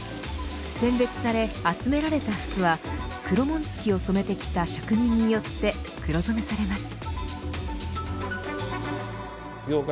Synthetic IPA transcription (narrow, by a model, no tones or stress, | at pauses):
sẽ̞mbe̞t͡sɨ̥saɾe̞at͡sɨme̞ɾaɾe̞t̪aɸɯ̟̥kɯ̟βa | kɯ̟ɾo̞mõ̞nt͡sɨ̥kʲio̞so̞me̞t̪e̞kʲi̥t̪aɕakɯ̟ɲ̟ĩɲ̟ːijo̞t̪ːe̞kɯ̟ɾo̞zomesaɾe̞masɨ̥ | oːk